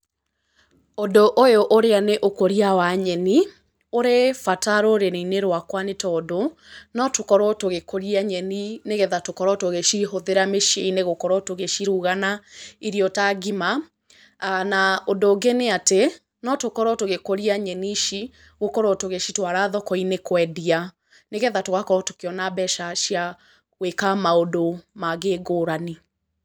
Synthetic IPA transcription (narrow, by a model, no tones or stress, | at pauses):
ondoʔojoʔoɾeaneʔokoɾiawaɲɛni | oɾefataɾoɾenineɾwakwanetɔdo | nɔtokɔɾɔtoɣekoɾiaɲɛnineɣɛðatokɔɾɔtoɣeʃiɦoðeɾameʃeineɣokɔɾɔtoɣeʃiɾuːɣanaiɾiɔtaɡima | anaondoːɡeneate | nɔtokɔɾɔtoɣekoɾiaɲɛniʃi | ɣokɔɾotoɣeʃitwaɾaðɔkɔinekwɛdia | neɣɛðatoɣakɔɾɔto̥keɔnabɛʃaʃja | wekamaodomaɣeːɡoːɾani